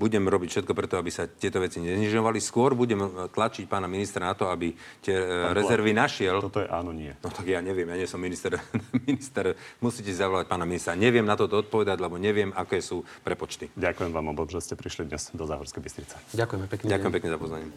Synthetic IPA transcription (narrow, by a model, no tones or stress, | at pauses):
buɟɛmɾɔbicfʃɛt̪̚kɔpɾɛt̪ɔabisat̪ɪɛt̪ɔʋɛt͡siɲɛzɲiʒɔʋaliskʊɔɾbuɟɛmt̪lat͡ʃic̚paːnaminist̪ɾanat̪ɔabit̪ɪɛɾɛzɛɾʋinaʃɪɛltɔt̪ɔjɛʔaːnɔɲɪɛnɔt̪aɡjaɲɛʋɪɛmjaɲɛsɔmːinist̪ɛɾminist̪ɛɾmusiːcɛsizaʋɔlac̚paːnaminist̪ɛɾaɲɛʋɪɛmnat̪ɔt̪ɔɔt̪̚pɔʋɛd̪aɟlɛbɔɲɛʋɪɛmakɛːsuːpɾɛpɔt͡ʃt̪iɟakujɛmʋaːmɔt̪ɔmʒɛscɛpɾiʃlid̪ɲɛz̥d̪ɔzaːɦɔɾskɛjbist̪ɾit͡sɛ̥ɟakujɛmɛkɟakʊjɛmpɛkɲɛzapɔzʋaɲɪɛm